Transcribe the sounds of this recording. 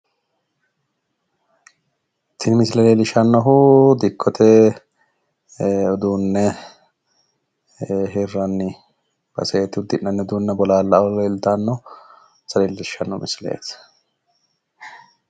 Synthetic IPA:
t̪ʰɪnmɪslɐlelɪʃɐnːɔɦʊd̪ɪkʰːɔt̪ʰɛ | ɔd̪uːnːɛ | ɦerːɐnːɪ | b̥ɐ̰sɛt̪ːɪʊd̪ːɪnːɐnːɛd̪uːnːɐbɔlaːlːɐɔleːlt̪anːɔ | sɐleːlɪʃɐnːɔmɪslɐ̰ḛːs

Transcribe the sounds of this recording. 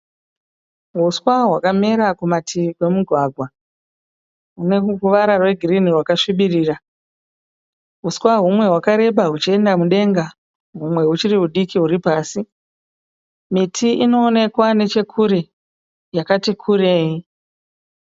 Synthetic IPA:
ɦuswaɦwakameɾakumatʰikwe̞muɡʱwaɡʱwa | ɦune̞kukuʋaɾarwe̞ɡʱiriniɦwakaʃiɓiriːra | ɦuswaɦumwe̞ɦwakaɾe̞ɓaɦut͡ʃie̞ndamuɗe̞ŋɡa | ɦumwe̞ɦut͡ʃiriɦuɗikiɦuɾipaːsi | mitʰiʔino̞ːne̞kwane̞t͡ʃe̞kʰuɾe̞ | jakatikʰuɾe̞ːji

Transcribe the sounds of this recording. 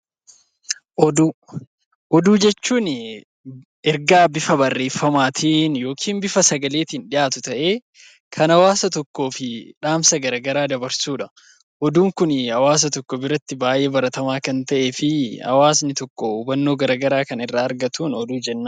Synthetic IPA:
ʔɔd̪uː | ʔɔd̪uːd͡ʒɛt͡ʃːuːn | ɛɾɡaːbɪfɐbɐrːe̞ːfːɐmaːt̪ʰiːnjo̞ːkʰiːmbɪfɐsɐɡɐle̞ːt̪ɪnᶑɪʔaːt̪ʊt̪ɐʔeː | kʰɐnɐwaːsɐt̪ɔkːo̞ːfɪᶑaːmsɐɡɐɾɐɡɐɾaːd̪ɐbɐɾsuːᶑɐ̥ | ʔɔd̪uːŋkʊnhɐwaːs̬ɐt̪ɔkːɔbɪɾɐt̪ːɪbaːʔe̞ːbɐɾɐt̪ɐmaːkɐnt̪ɐʔe̞ːfɪhɐ̰waːsnɪt̪ɔkːɔuːbɐnːo̞ːɡɐɾɐɡɐɾaːkɐnɪrːaːɾɡɐt̪uːnɔd̪uːd͡ʒɛnːa

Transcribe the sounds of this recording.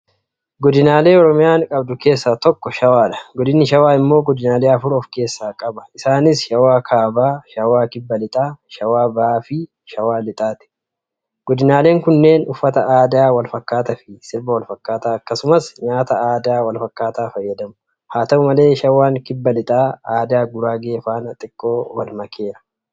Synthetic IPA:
ɡɔd̪ɪnaːle̞ːɔɾɔmɪjaːŋkʼɐbd̪ʊke̞ːsːaːt̪ɔkːɔʃɐwaːᶑɐ̥ɡɔd̪ɪnːɪʃɐwaːɪmːo̞ːɡɔd̪ɪnaːleːɐfʊɾɔfke̞ːsːaːkʼɐbɐ̥ʔɪsaːnɪsʃɐwaːkʰaːbaːʃɐwaːkɪbːɐlɪt̪ʼaːʃɐwaːbɐʔaːfɪ | ʃɐwaːlɪt̪ʼaːt̪ɪ̥ | ɡ̥ɔd̪ɪnaːleːŋkʊnːe̞ːnʊfːɐt̪ɐaːd̪aːwɐlfɐkːaːt̪ɐfɪsɪɾbɐwɐlfɐkːaːt̪aːɐkːɐsʊmɐsɲaːt̪ɐaːd̪aːwɐlfɐkːaːt̪aːfɐjːɐd̪ɐmʊ | haːt̪ɐʊmɐle̞ːʃɐwaːŋkɪbːɐlɪt̪ʼaːaːd̪aːɡʊɾaːɡeːfaːnɐt̪ʼɪkʼːo̞ːwɐlmɐkʰe̞ːɾɐ̥

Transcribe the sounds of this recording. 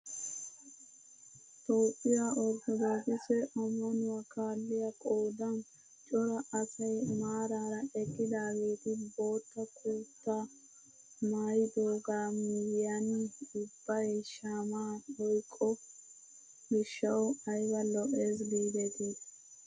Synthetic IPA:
t̪ɔwpʼːɪjaʔɔɾt̪ɔd̪oːkʼɪsɛʔɔmːɐnʊwakaːlːɪjɐkʼoːd̪ɐn | t͡ʃʼɔɾɐʔɐsɐjmaːɾaːɾɐʔɛkːɪd̪aːɡeːt̪ɪbo̞ːt̪ːɐkʰuːt̪ːa | maːjɪd̪oːɡaːmɪjjanɪʊbːɐʃaːmaːhɔjkʼːɔ | mɪʃːɐwɔɐjbɐlɔʔeːs̬biːd̪ɛt̪ɪ

